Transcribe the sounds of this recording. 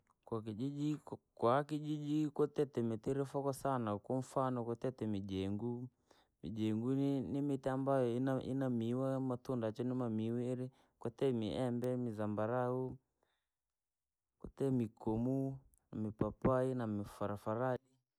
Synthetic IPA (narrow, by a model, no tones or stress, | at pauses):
kwak̬id͡ʒid͡ʒikwakid͡ʒid͡ʒikɔtɛtɛmitiɾɛfɔkɔsanakɔɱ̩fanɔkɔtɛtɛmid͡ʒɛŋɡu | mḭd͡ʒɛŋɡunimitiambajɔinaḭnamiwamatundat͡ʃɔnimamiwiɾi | kwɔtɛmiʔɛmbɛmizambaɾau | kɔtɛmikɔmu | namipapainamifaɾafaɾali